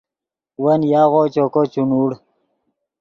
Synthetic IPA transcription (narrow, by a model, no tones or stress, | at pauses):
wɐnjaːɣot͡ɕokot͡ɕunuːɽ